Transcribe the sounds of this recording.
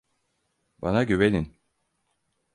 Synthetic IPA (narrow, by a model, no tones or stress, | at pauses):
banaɟøβelʲin